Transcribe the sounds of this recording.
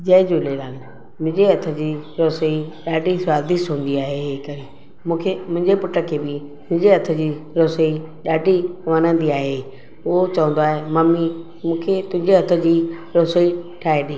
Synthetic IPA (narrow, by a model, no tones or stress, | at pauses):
d͡ʑɐɪd͡ʑuleɾaːn | mʊ̃ɦɲd͡ʑeɐt̪ʰə̆d͡ʑiːɾoːsəiɗaːɖʱisʋaːd̪isɦũːn̆d̪iaːɦeɦeːkɐɾeː | mũːkʰemʊ̃ɦɪ̃ɲd͡ʑepʊʈəkʰːeːbɪ | mʊ̃ɦɪ̃ɲd͡ʑeɐt̪ʰə̆d͡ʑiːɾoːsəi | ɗaːɖʱiʋɐnə̃nd̪iaːɦe | ʊɦot͡ɕɐʋə̃nd̪oaːɦemɐmi | mũːkʰet̪ʊ̃ɦɪ̃ɲd͡ʑeɦɐt̪ʰə̆d͡ʑiːɾoːsəiʈʰaːeɗĩː